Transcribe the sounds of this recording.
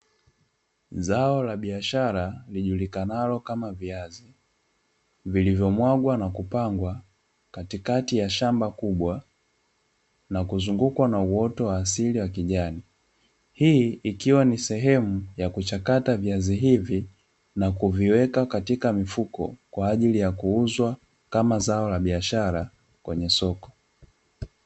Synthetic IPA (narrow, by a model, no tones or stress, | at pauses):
zaɔlaɓiaʃaɾaliʄulikanalɔkamaviazi | vilivjɔmwaɡwanakupaŋɡwa | katikatijaʃambakuɓwa | nakuzuŋɡukwanauɔtɔwaːsiliwakiʄani | hiikiwanisɛɦɛmujakut͡ʃakataviaziɦivi | nakuviwɛkakatikamifukɔ̰kwaːʄilijakuuzwa | kamazaɔlaɓiaʃaɾa | kwɛɲɛsɔkɔ̥